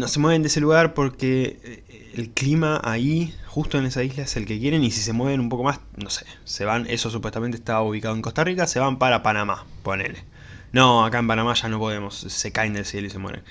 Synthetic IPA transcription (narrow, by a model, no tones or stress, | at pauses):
nose̞mwee̞nd̪eeseluɣaɾpo̞ɾkeː | lklimaʔaixust̪o̞enesaizlaeselke̞kjeɾe̞nisis̬e̞mweβe̞numpo̞ko̞mas | nose̥ | se̞βaneso̞s̬upwest̪ament̪eht̪auβ̞ikaðoeŋkost̪arikaseβampaɾapanamaponḛle | noakaempanamaʃano̞po̞ðemo̞sse̞kaend̪elsje̞loisemweβḛn